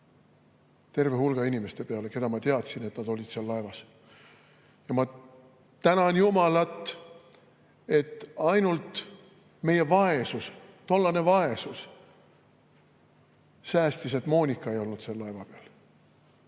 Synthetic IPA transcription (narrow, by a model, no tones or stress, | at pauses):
t̪e̞rvehulɡ̥ɑinime̞st̪e̞pe̞ɑle̞ke̞d̪ɑmɑt̪eɑt̪sine̞t̪nɑd̪̥o̞lʲid̪̥seɑlːɑevɑs | jɑmɑ | t̪ænɑnjumɑlɑt̪ːˑ | e̞t̪ːˑɑjnult̪ˑ | me̞je̞vɑe̞sust̪o̞lːɑne̞vɑe̞sus | sæːst̪iset̪ˑmo̞ːnʲikːˑɑe̞jo̞lnut̪selːɑe̞vɑpeɑ̰l